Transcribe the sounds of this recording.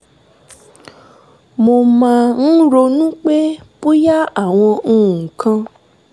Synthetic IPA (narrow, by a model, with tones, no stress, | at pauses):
mo˧mã˧n̩˦ɾo˧nũ˦k͡pe˦po˦ja˦a˦˨w̃ɔ̃˧ũ˦˧˨kʰã˧